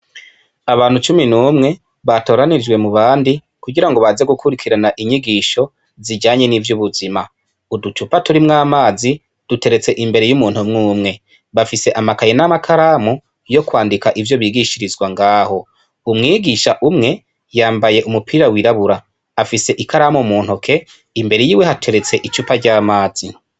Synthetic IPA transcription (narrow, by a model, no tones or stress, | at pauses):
aβaːn̥hut͡ʃuminuːmŋe̞ | βato̞ːɾanid͡ʒwe̞muβaːndi | kuɡiɾaŋɡo̞βaze̞ɡukʰuɾikʰiɾanaʔiɲiɡiːʃo̞ | ziɟaːɲe̞nivjuβuzima | udut͡ʃupatuɾimŋaːmaːzi | d̥ute̞ɾe̞t͡se̞ʔimbe̞ɾe̞jumuːn̥humŋuːmŋe̞ | βafise̞ʔamakajenamakʰaɾaːmu | jo̞kwaːndikaʔivjo̞βiːɡiʃiɾizɡwaŋɡaːho̞ | umŋiːɡiʃaʔumŋe̞ | jaːmbaje̞ʔumupʰiːɾawiɾaβuɾaː | fise̞ʔikʰaɾaːmumuːn̥hukʰe̞ | imbe̞ɾejiːwehatʰe̞ɾe̞t͡se̞ʔit͡ʃupaɾɟaːmaːz̥i